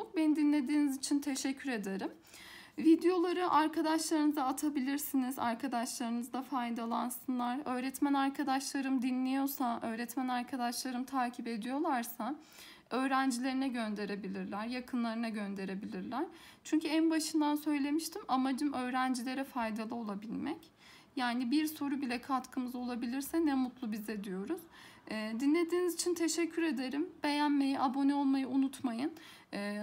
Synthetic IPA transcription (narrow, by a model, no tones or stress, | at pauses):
bend̪inlʲe̞d̪iːnizit͡ʃʰint̪ʰe̞ʃɛcʰːyɾe̞d̪eɾɯm | vid̪ejo̞lˠaɾɯʔaɾkʰad̪aʃlˠaɾɯnɯzaːt̪ʰabilʲiɾsiniza̰ɾkʰad̪aʃlˠaɾɯnɯzd̪afajd̪alˠansɯnlˠaɾø̞ːɾɛt̪mænaɾkʰad̪aʃlˠaɾɯmd̪inlʲejo̞saʔø̞ːɾɛt̪mænaɾkʰad̪aʃlˠaɾɯmt̪ʰaːcʰipe̞d̪ijo̞lˠaɾsa | ø̞ːɾænd͡ʒilʲe̞ɾinɛɟønd̪e̞ɾe̞bilʲiɾlʲæɾjakʰɯnlˠaɾɯnaɟø̞nd̪e̞ɾe̞bilʲiɾlʲæɾ̥t͡ʃʰyɲcʰyænbaʃɯnd̪ansø̞jlʲe̞miʃt̪ʰimamad͡ʒɯmʔø̞ːɾænd͡ʒilʲe̞ɾɛfajd̪alˠɯo̞lˠabilʲmɛc | jaːnibiɾso̞ɾubilʲɛkʰat̪kʰɯmɯzo̞lˠabilʲiɾsɛnɛmut̪lˠubizɛd̪ijo̞ɾuz̥ːd̪inlʲe̞d̪iːnizit͡ʃʰint̪ʰe̞ʃɛcʰːyɾe̞d̪e̞ɾimb̥e̞jænme̞jiʔabo̞nɛo̞lˠmajɯunut̪ʰmajɯnː